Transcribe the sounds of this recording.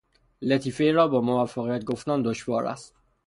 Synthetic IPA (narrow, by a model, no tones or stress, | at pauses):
let̪ʰiːfe̞ɾɒːbɒːmovæfːæɣijæt̪̚ɡoft̪ænd̪oʃvɒːɾæ̰st̪